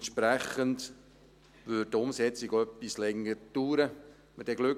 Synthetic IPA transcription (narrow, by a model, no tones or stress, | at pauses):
nʃpɾæχənd | vʏːd̚tʊmsɛt͡siɡoœpːislɛŋːəɾtuːɾə | məd̥ɛɡ̥lʉ